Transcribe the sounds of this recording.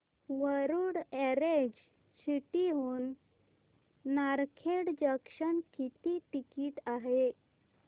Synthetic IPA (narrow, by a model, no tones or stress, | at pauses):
ʋəɾuɽɛɾed͡ʑ | siʈiɦuːn | aɾkʰeɽd͡ʑəkʂənkit̪iʈikiːʈaɦe